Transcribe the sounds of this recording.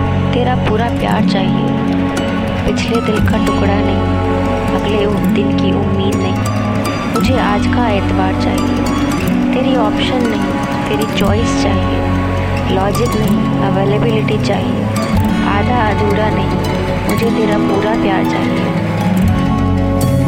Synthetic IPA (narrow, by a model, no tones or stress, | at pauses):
t̪eːɾapuːɾapja̰ːɾt͡ʃaːɦie | pɪt͡ʃʰled̪ɪlkaʈʊkɽanɐɦĩ | bɐɡle | d̪ɪnkiʔʊmːiːd̪nɐɦĩ | mʊd͡ʒʱeaːd͡ʒkaeːt̪ɪbaːɾt͡ʃa̰ːɦije | t̪eːɾiɔːpʃənːɐɦĩ | t̪eːɾit͡ʃɔːɪst͡ʃaːɦie | lɔːd͡ʒɪknɐɦĩ | əʋeːlebɪlɪʈit͡ʃaːɦiḛ | a̰ːd̪ʱaɐd̪uːɾanɐɦĩ | mʊd͡ʒʱet̪eːɾapuːɾapjaːɾt͡ʃa̰ːɦie